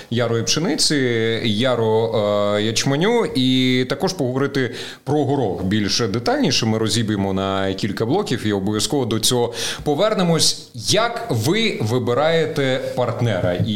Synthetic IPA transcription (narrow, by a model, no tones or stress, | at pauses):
jaɾɔjipt͡ʃenɪt͡sʲɪjaɾɔjɐt͡ʃmɐnʲuit̪ɐkɔʒpɔɦɔʋɔɾɪt̪ɪ | pɾɔɦɔɾɔkbʲilʲʃd̪et̪ɑlʲnʲiʃɛmɪɾɔzʲibemɔnɐkʲilʲkɐblˠɔkʲiwiɔbɔʋʲjɐskɔʋɔd̪ɔt͡sʲɔɦɔpɔʋɛrnemɔsʲ | jɐkʋɪʋɪbɪɾɑjet̪ɛpɐrt̪nɛɾɐi